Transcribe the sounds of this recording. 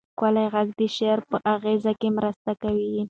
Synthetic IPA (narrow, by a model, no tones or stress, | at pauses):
kalajɣaɡd̪əʃeɾpəʔaɣezakemɾast̪akawi